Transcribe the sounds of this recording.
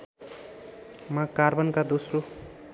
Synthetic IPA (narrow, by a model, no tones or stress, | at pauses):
mãkarbʌnkad̪osro